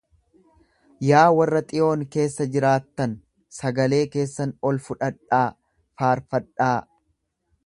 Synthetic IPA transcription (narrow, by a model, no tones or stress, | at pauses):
jaːwɐrːɐt̪ʼɪʔo̞ːŋke̞ːsːɐd͡ʒɪɾaːt̪ːɐn | sɐɡɐle̞ːke̞ːsːɐnɔlfʊᶑɐᶑaː | faːɾfɐᶑaː